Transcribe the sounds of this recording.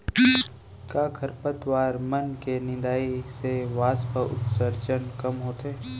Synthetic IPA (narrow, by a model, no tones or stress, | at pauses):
kaːkʰɐɾpət̪ʋaːɾmɐnkenɪ̃nd̪aːiseʋaːspəʊ̰t̪səɾt͡ʃənkɐmɦoːt̪e